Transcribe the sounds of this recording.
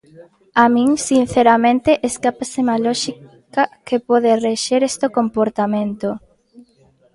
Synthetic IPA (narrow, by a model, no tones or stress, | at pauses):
amĩŋsin̟θeɾamẽnt̪eʔeskapasemalɔʃi | kɐkepɔðereʃeɾest̪okompoɾt̪amẽnt̪o